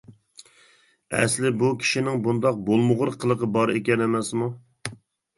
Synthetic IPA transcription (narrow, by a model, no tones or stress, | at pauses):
ɛ̰slɪbukʲʰi̥ʃinɪŋbund̪ɑq̚bolˠmʊʁʊɾqʰːəlˠəqəbɑɾekʲɛnemɛsmu